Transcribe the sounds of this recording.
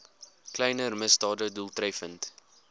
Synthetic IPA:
klɛjnərməstɑːdədulˠtrɛjfənt

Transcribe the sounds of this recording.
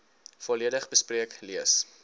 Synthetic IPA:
fɔliədəχbəspriəkliəs

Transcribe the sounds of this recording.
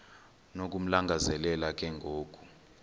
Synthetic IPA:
nok̬ʼum̩laŋɡʱazɛlɛlak̬ʼɛŋɡʱoːkʼu̥

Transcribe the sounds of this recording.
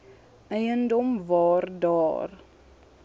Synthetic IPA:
ɛjəndɔmvɑːrdɑːr

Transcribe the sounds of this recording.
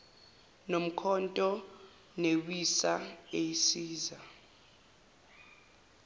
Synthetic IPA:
nom̩kʰɔntʼɔ | newisaejisiːza

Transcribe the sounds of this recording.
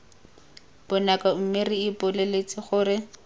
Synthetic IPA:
b̥ɔnakam̩mɪriɪpʊlelet͡sʼɪχʊːrɪ

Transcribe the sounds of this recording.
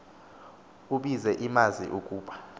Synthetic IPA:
uɓizɛʔimazḭʔukʼuːɓa

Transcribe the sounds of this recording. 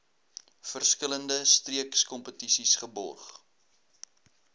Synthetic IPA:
fərskələndəstriəkskɔmpətisisχəbɔ̰rχ

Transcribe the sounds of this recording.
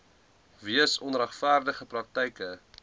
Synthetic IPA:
viəsɔnræχfæːrdəχəprɐk̚tɛjkə

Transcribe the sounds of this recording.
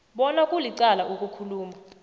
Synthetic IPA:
ɓɔnakʼuliǀalaʔukʼukʰuluːma

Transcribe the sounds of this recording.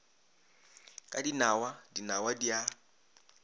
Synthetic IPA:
kʼadinawadinawadia

